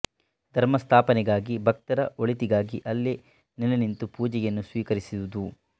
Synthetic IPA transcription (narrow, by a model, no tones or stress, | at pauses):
d̪̥ʱɐɾmɐst̪ʰaːpɐnɛɡaːɡibʱɐk̚t̪ɐɾɐ̰ʔoɭit̪iɡaːɡiʔɐlːe | nilɐnint̪upuːd͡ʒɛjɐnːusʋiːkɐɾisiwud̪u